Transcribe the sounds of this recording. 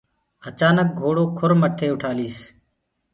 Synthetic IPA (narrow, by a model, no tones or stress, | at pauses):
ət͡ʃaːnək̚ɡʱoːɽoːkʰʊɾməʈʰeːʊʈʰaːliːs